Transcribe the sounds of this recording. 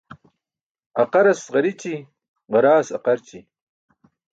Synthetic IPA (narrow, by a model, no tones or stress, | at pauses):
ɐqɐɾɐsʁɐɾit͡ɕi | ʁɐɾaːsɐqɐɾt͡ɕi